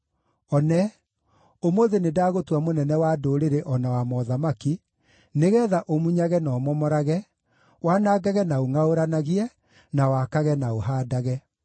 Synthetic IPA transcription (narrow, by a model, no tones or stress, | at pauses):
ɔnɛ | omoðenedaːɣotwamonɛnɛwadoɾeɾeʔɔnawamɔðamaki | neɣɛːðaʔomuɲaɣɛnɔːmɔmɔɾaɣɛ | wanaːɡaɣɛnaoŋaoɾanaɣiɛ | nawakaɣɛnaoɦaːdaɣɛ